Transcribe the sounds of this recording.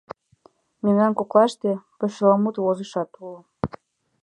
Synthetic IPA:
menɑnkoklɑʃt̪epə̆ʃəlɑmut̪wozəʃɑt̪ulə

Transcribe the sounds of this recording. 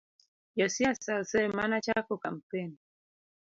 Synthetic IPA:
jɔsiasalsɛmanat͡ʃakɔkam̩pɛni

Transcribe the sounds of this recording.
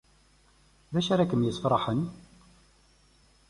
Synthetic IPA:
ðæʃæɾækəmjəsfɾˤɑħən

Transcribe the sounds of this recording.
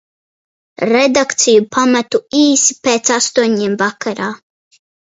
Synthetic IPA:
ɾed̪akt̪sijupʰamat̪uiːsi̥peːt̪sast̪uɔɲimvakaɾaː

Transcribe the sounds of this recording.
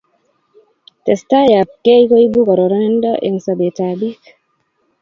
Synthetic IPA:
tɛstajap̚kejkɔjbukɔɾɔɾɔndɔʔɛnsabɛtabik

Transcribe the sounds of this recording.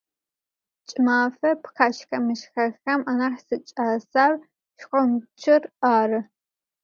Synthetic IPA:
t͡ʃʼmaːfɐpxaːʃxɐmɨʃxɐxɐmanaːħsɨt͡ʃʼaːsaːr | ʃqʷʼɔmt͡ʃʰɪraːɾɨ

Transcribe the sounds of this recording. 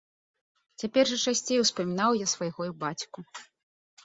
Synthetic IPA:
t͡sʲapʲɛrʐɨt͡ʂasʲt͡sʲejuwspɐmʲinawjasvajɣɔjubat͡sʲku

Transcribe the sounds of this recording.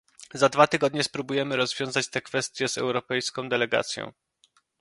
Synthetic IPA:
zad̪vat̪ɘɡɔd̪ɲɛspɾubujɛmɘɾɔzvʲjɔ̃w̃zat͡ɕt̪ɛkfɛst̪ʲjɛzɛ̰wɾɔpɛjskɔ̃w̃d̪ɛlɛɡa̰t̪sʲjɔ̰̃w̃

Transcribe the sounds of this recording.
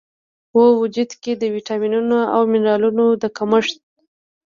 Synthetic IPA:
wəwʊd͡ʒud̪ked̪əwiʈɑminunoa̰wmɪneɾɑlunod̪əkaməʂt̪̚

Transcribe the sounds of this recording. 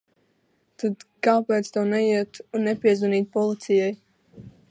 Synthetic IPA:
t̪ad̪kaːpɛːt̪st̪ɔːnɛiɛt̪unːɛpiɛzuniːt̪̚pɔlˠit̪sijaj

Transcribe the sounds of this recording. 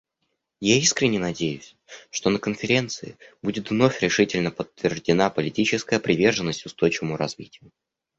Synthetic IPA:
jaiskɾʲɪnʲːɪnɐdʲejʊsʲ | ʂt̪o̞nəkənfʲɪɾʲe̞nt̪sɨɪ̰budʲɪt̪vno̞fʲɾʲɪʂɨtʲɪlʲnəpət̪ːvʲɪrʐdʲɪnapəlʲɪtʲit͡ɕɪskəjəpɾʲɪvʲe̞rʐɨnːəsʲtʲʊst̪o̞jt͡ɕɪvəmʊɾɐzvʲitʲɪjʊ

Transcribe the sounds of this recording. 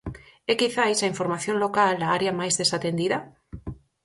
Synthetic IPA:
ɛkiθajsaĩɱfoɾmaθjonlokald̪aaɾjamajzðesat̪end̪iða

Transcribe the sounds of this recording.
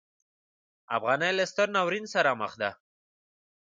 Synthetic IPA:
a̰fɣɑnajlast̪əɾnawɾinsaɾaməxd̪a

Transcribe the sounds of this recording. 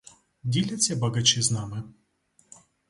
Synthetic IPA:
dʲilʲɐtt͡sʲːɐbɐɡɐt͡ʃiznɑmɪ

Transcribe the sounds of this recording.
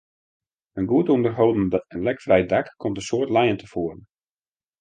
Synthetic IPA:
ənɡuətəondərɦowdn̩dɔtənlɛkfrɛjdakkʰːomtəsoətlɛjəntʰəfoərən̩

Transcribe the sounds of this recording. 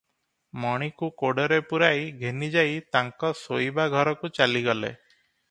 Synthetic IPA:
mɔɽ̃ikukoɽɔɾepuɾajɡʱenid͡ʒajt̪aŋkɔsojbaɡʱɔɾɔkut͡ʃaliɡɔlḛ

